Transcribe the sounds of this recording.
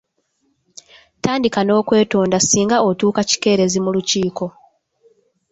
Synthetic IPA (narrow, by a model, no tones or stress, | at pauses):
taːndikano̞ːkwe̞ːto̞ːndasiːŋɡao̞tuːkaci̥ke̞ːɾe̞zimuluciːko̞